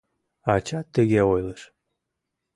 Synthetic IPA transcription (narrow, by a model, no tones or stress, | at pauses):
ɑt͡ɕɑt̪ːəɣeojləʃ